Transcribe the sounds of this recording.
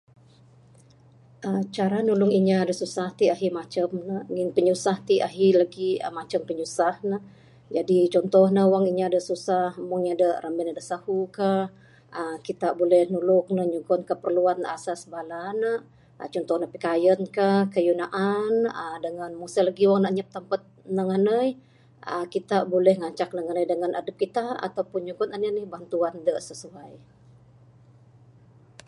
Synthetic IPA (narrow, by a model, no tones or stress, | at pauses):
ʔət͡ʃaɾanulʊŋiɲadəsusaht̪iaɦimat͡ʃəmnəŋɪnpəɲusaht̪iʔa̰ɦilaɡiə̰mat͡ʃəmpəɲusahnə | d͡ʒadit͡ʃɔnt̪ɔhnəwaŋiɲaːdəsusahmuŋɲadərʔambɛnadəsahuka | əkit̪aʔbolɛhnulʊk̚nəɲuɡɔnkəpərluana̰sasbalanə | t͡ʃɔnt̪ɔhnəpikajənkahkəjunaʔanədəŋanmusələɡiwaŋnəʔɲəp̚t̪ampət̪̚nəŋənəj | ʔə̰kit̪abolɛhŋaɲt͡ʃak̚nəŋənəjdəŋanʔa̰dəp̚kit̪aa̰t̪awpʊnɲuɡʊnananɪhbant̪uandəʔsəsuaj